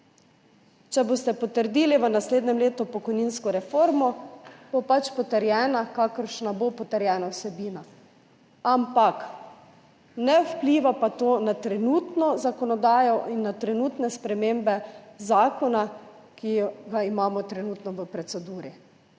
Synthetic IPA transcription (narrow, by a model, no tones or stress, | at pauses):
t͡ʃɛbost̪ɛpɔt̪əɾd̪iːliʋənasleːd̪nɛmleːt̪upɔkɔjniːnskɔɾɛfoːɾmɔb̥opat͡ʃpɔt̪əɾjɛːnakakəɾʃnabopɔt̪ɛɾjɛːnawsɛbiːna | ampak | nɛupliːʋapat̪oːnat̪ɾɛnuːt̪nɔzakɔnɔd̪aːjɔʔinːat̪ɾɛnuːt̪nɛspɾɛmembɛzaːkɔna | kijɡaimaːmɔt̪ɾɛnuːt̪nɔʋəpɾɛsɛd̪uːɾi